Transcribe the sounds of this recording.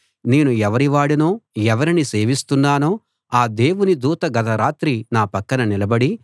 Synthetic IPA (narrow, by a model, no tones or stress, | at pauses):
ne̞ːnuɛʋɐɾiʋaːɽinoːɛʋɐɾinise̞ːʋist̪unːaːnoː | aːd̪e̞ːwunid̪uːt̪ɐɡɐt̪ɐɾaːt̪ɾinaːpɐkːɐnɐnilɐbɐɽi